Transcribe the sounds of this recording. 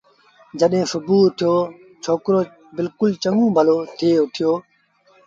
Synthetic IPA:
d͡ʒəɗɦẽːsʊbuːt̪ʰɪjoː | t͡ʃʰoːkɾoː | bɪlkʊlt͡ʃəŋũːbʱəloːt̪ʰɪeːʊʈ̪ʰɪjoː

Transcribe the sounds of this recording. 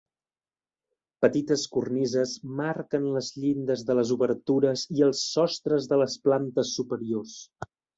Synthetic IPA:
pət̪it̪əskurnizəzmaɾkənləzʎind̪əzðələzuβərt̪uɾəziəlˠsːɔst̪ɾəzðələsplant̪əsːupəɾiors

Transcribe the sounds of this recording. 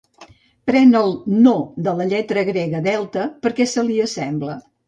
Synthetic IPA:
pɾɛnəlˠnod̪ələʎɛt̪ɾəɣɾeɣəðɛlˠt̪əpəɾkɛsəliəsɛmblə

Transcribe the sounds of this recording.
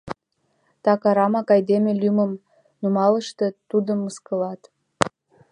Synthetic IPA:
t̪ɑkɑɾɑmɑkɑjd̪emelyməm | numɑləʃt̪et̪ud̪əmːəskə̆lɑt̪

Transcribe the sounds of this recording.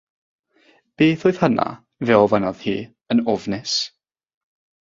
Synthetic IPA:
b̥eːθoɨð̥həna̰ | vɛɔvanɔð̥hḭː | ənɔvnɪs

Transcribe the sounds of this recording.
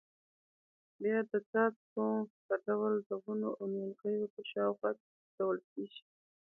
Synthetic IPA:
bjɑd̪ət͡s̪ɑt͡skot̪əɖawld̪əɣunoʔanelɣəjop̪əʃɑwxad̪ | kawəlkeʒi̥

